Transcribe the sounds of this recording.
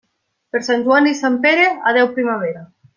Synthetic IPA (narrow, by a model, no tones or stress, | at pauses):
peɾsanʲʒuanisampeɾeað̞ɛwpɾimaβ̞eɾa